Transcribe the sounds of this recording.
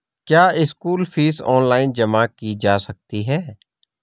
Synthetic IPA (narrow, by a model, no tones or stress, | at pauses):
kjaːɪskuːlfiːsɔːnlaːɪnd͡ʒɐmakid͡ʒaːsɐk̚t̪iɦɛː